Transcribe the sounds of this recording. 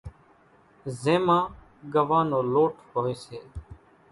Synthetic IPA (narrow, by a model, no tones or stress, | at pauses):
zẽːmãː | ɡəʋãːnoːloːʈʰhoːeːseː